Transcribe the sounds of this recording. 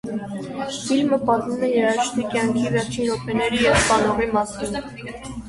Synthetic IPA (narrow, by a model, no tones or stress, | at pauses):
filməpɑt̪mumɛjɛɾɑʃt̪ʰikjɑŋkʰivɛɾt͡ʃʰinɔpɛnɛɾijɛvst̪ɑnɔʁimɑsin